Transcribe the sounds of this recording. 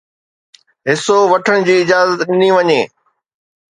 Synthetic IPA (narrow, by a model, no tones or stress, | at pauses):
ɦɪsoʋɐʈʰəñɪ̆d͡ʑiːɪd͡ʑaːzət̪ɗɪniʋɐɲeː